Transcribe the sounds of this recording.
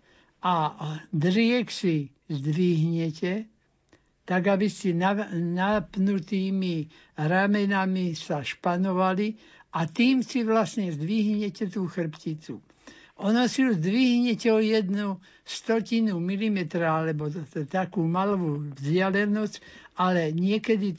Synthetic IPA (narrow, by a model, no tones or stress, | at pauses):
ad̪ɾɪɛksi | zd̪ʋiɦɲɛcɛ | t̪aɡabisinanapnut̪iːmi | ɾamɛnamisaʃpanɔʋali | ʔat̪iːmsiʋlasɲɛzd̪ʋiɦɲɛcɛt̪uːxr̩pcit͡su | ʔɔnɔsiuzd̪ʋiɦɲɛcɛɔjɛd̪nu | st̪ɔcinumilimɛt̪ɾaalɛbɔt̪akuːmalʋuvzɟɪalɛnɔscalɛɲɪɛkɛd̪i